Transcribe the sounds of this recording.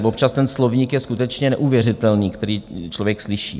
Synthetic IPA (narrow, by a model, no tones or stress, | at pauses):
vop̚t͡ʃast̪ɛnslovɲikjɛskut̪ɛt͡ʃɲɛnɛʔuvjɛr̝ɪt̪ɛlniːkt̪ɛɾiːt͡ʃlo̞vjɛkslɪʃḭː